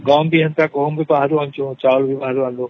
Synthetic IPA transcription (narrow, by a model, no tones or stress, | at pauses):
ɡaːmbʱiɦɐnt̪akoɦumbʱibaɦaɾuʋãːnt͡ʃʰũt͡ʃaːlbʱibaːɦaɾuʋãːnd̪oː